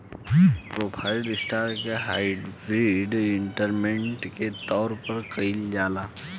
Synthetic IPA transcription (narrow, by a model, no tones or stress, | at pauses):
pɾoːpʰaːɪlɖɪsʈaːɾkeɦaːɪɖbɾiɖɪ̃ɳʈəɾmẽɳʈket̪ɔːɾpɐɾkɐɪld͡ʒaːlaː